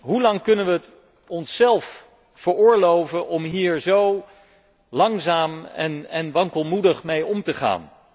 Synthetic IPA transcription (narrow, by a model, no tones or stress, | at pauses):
ɦulɑŋkɵnənʋət | ɔnsːɛlˠf | fəɹʊːɹlowvənʔɔmɦiːɹzow | lɑŋzaːmɛ̰nɛnʋɑŋkəlˠmudəχmejɔmtəχa̰ːn